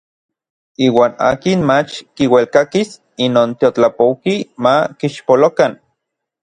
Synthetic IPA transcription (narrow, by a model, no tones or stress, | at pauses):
iːwaːna̰ːkinmat͡ʃkiwelkakis | inoːnt̪iot͡ɬapowkimakiʃpolokan